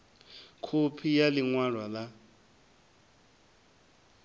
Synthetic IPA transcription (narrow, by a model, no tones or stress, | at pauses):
kʰupʰijaliŋwarwala